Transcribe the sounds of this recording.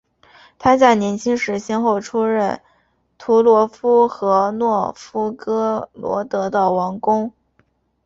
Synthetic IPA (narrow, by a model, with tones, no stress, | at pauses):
t̪ʰa˥t͡sa˥˩ɪnjɛ˧˥nt͡ɕʰi˥ŋʂɻ̩˧˥ɕjɛ˥nxo˥˩ʊʈ͡ʂʰu˥ɻə˥˩n | t̪ʰu˧˥lwɔ˧˥fu˥xɤ˧˥nwɔ˥˩fu˥kɤ˥lwɔ̰˧˥t̪ɤ˧˥d̪ə˧wɑ˧˥ŋkʊ˥ŋ